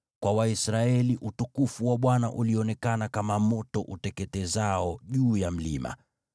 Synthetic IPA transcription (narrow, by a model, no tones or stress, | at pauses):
kwawaisɾaɛliʔutukufuwaɓwanaʔuliɔnɛkanakamamɔtɔʔutɛkɛtɛzaɔʄuːjam̩lḭma̰